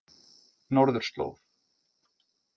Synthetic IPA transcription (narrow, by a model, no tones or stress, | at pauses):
nɔɾðʏɾ̥st̪lo̰wv